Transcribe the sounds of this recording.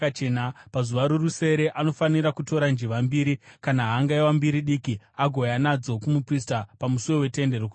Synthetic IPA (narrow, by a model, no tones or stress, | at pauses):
at͡ʃenapazuʋaɾuruse̞ɾe̞ʔano̞faniɾakuto̞ɾand͡ʒiʋambiːɾikanaɦaŋɡaiwambiɾiɗikiaɡʱo̞janad͡zo̞kumupristapamusuwe̞we̞te̞nde̞roku